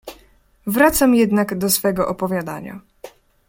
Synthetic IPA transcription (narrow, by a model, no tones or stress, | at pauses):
vɾat̪samjɛd̪naɡd̪ɔsfɛɡɔʔɔpɔvʲjad̪aɲa̰